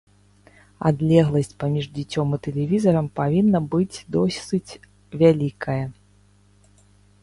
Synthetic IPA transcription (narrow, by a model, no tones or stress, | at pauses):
a̰d̪lʲɛɣlˠɐsʲt͡sʲpamʲiʐd͡zʲit͡sʲɔmɨt̪ɛlʲɛvʲizɐɾɐmpavʲinːɐbɨd͡zʲd̪ɔsɨt͡sʲ | vʲalʲikʰɐjɐ